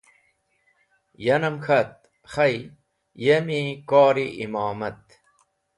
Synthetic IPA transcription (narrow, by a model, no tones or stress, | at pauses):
jɐnɐmxʰɐt̪̚ | xɐj | jemikaːɾiʔimaːmɐt̪̚